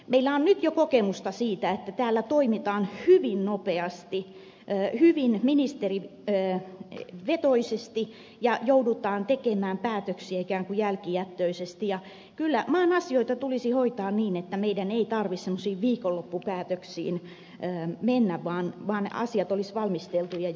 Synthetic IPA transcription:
meilːæonnyt̪jokokemust̪ɑsiːt̪æet̪ːæt̪æːlːæt̪oimit̪ɑːnhyʋinnopeɑst̪iː | hyʋinminist̪eriəː | ʋet̪oisest̪i | jɑjoudut̪ɑːnt̪ekemæːmpæːt̪øksiæikæːŋkujælkijæt̪ːøisest̪ijɑ | kylːæmɑːnɑsioit̪ɑt̪ulisihoit̪ɑːnniːnet̪ːæmeidæneit̪ɑrʋissemːosiːʋʋiːkolːopːupæːt̪øksḭːnː | menːæʋʋɑːnʋɑːnɑ̰siɑt̪olisʋɑlmist̪elt̪ujɑ

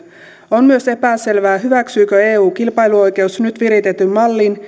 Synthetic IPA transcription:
onmyøse̞pæse̞lʋæːɦyʋæksyːkøe̞ːuːkilpɑjluo̞jke̞usnyt̪ʋiɾit̪et̪ːymmɑlːin

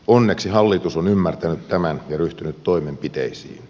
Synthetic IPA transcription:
onːe̞ksiɦɑlːit̪usonymːært̪ænyt̪tæmænjɑɾyht̪ynyt̪to̞imempit̪ḛisḭːn

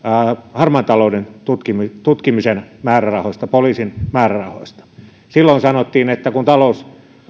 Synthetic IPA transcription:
hɑrmɑnt̪ɑloˑudent̪ut̪kimit̪ut̪kimisenmæːrærɑhoist̪ɑpoliːsinmæːrærɑho̰ist̪ɑ̥ | silːoinsɑnot̪ːiːnet̪ːækunt̪ɑlous

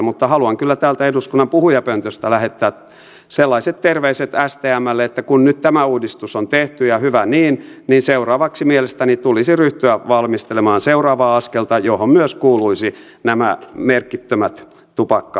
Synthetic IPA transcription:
mut̪ːɑhɑluɑŋkylːæt̪æːlt̪æeduskunːɑmpuhujɑpønt̪øst̪ælæhet̪ːæːt̪ | selːɑiset̪t̪erʋeiset̪æst̪eːæmːælːeet̪ːækunnyt̪t̪æmæuːdist̪usont̪eht̪yjɑhyʋæniːnniːnseurɑːʋɑksimielest̪ænit̪ulisiryht̪yæʋɑlmist̪elemɑːnseurɑːʋɑːɑskelt̪ɑjohommyøskuːluisi | næmæmerkːit̪ːømæt̪ | t̪ːupɑkːɑ

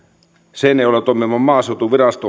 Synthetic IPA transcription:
seneiolet̪omːimːɑmmɑːset̪uʋirɑst̪o

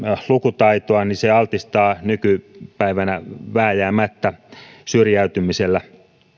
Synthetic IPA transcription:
lukut̪ɑit̪oɑniseɑlt̪ist̪ɑːnykypæiʋænæʋæːjæːmæt̪ːæ | syrjæyt̪ymiselːæ

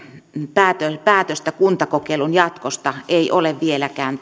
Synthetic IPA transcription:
pæːt̪øpæːt̪øst̪ækunt̪ɑkokeilunjɑt̪kost̪ɑeiʔoleʋʋielækæːn

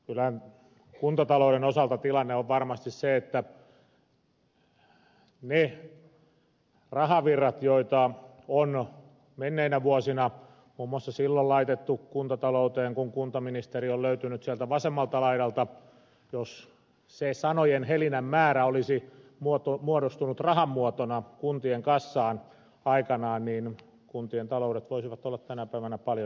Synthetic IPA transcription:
kylæhæn | kunt̪ɑt̪ɑlouɾenosɑlt̪ɑt̪ilɑnːeoʋʋɑrmɑst̪isseet̪ːæ | ne | rɑhɑʋirːɑt̪joit̪ɑ | on | menːeinæʋuosinɑ | muːmːŭɑsːɑsilːollɑit̪et̪ːukunt̪ɑt̪ɑlout̪eːŋkuŋkunt̪ɑminist̪eriolløyt̪ynyt̪siælt̪æʋɑsemːɑlt̪ɑlɑidɑlt̪ɑ | jos | sesɑnojenhelinæmmæːræolisimuot̪omuodost̪unut̪rɑhɑmːuot̪onɑkunt̪ieŋkɑsːɑːn | ɑikɑnɑːnniːn | kunt̪ient̪ɑlouɾet̪ʋoisiʋɑt̪olːɑt̪tænæpæiʋænæpɑljo

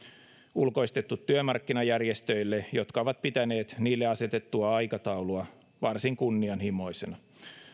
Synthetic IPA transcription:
ulko̞ist̪e̞t̪ːut̪ːyømɑrkːinɑjærjest̪øilːejo̞t̪kɑoʋɑt̪̚pit̪æne̞ːt̪niːlːeɑse̞t̪et̪ːuɑɑjkɑt̪ɑuluɑ | ʋɑrsiŋkunːiɑnhimo̞ise̞nɑ

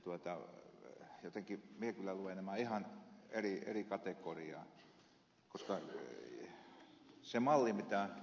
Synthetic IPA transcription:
t̪uot̪ɑ | jot̪eŋkimiekylːæluʋenæmæihɑneriḛrikɑt̪ekoriɑ̰ːˑ | koskɑ | semɑlːimit̪æ

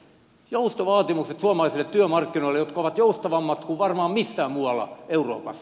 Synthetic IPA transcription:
joust̪oʋɑːt̪imukset̪suɑmɑlɑˑisilːˑet̪t̪yømɑrkːinoilejot̪kɑoʋɑt̪joust̪ɑʋɑmːɑt̪kuʋʋɑrmɑːmmisːæːmmuɑlːˑɑ̰euro̰ːpɑsːɑ

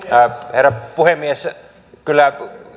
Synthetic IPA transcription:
herːɑpuhemːies | kylːæ

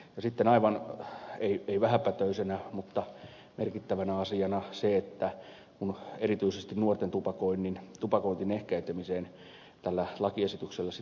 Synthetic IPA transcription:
jɑsit̪ːenɑiʋɑneieiʋæhæpːæt̪øysenæmut̪ːɑ | merkit̪ːæʋænæɑsiɑnɑseet̪ːæ | kunerit̪yisest̪innuort̪ent̪upɑkoinːint̪upɑkoint̪inehkæit̪emiseːn | t̪ælːælɑkiesit̪ykselːæsi

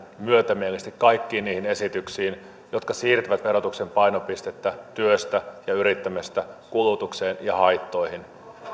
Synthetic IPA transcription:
myøt̪æmielest̪ikkɑjkːiːniːhine̞sit̪yksiːn | jot̪kɑsiːrt̪yʋæt̪ʋe̞ɾo̞t̪ukse̞mpɑjno̞pist̪et̪ːæt̪yøst̪æjɑyɾit̪ːæmæst̪ækulut̪ukseːnjɑhɑjt̪ːo̞jhin

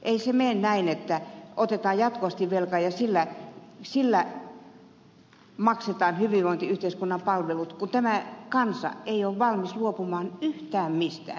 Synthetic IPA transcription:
ʔeisemennæinet̪ːæot̪et̪ɑːjjɑt̪koʋɑst̪iʋʋelkɑjɑsilːæsilːæ | mɑkset̪ɑːnhyʋiʋʋoˑint̪iyht̪eiskunːɑmpɑlʋelut̪kunt̪æmækɑnsɑ̰eioʋʋɑlmisluopumɑːnyht̪æːmmist̪æ̰ː

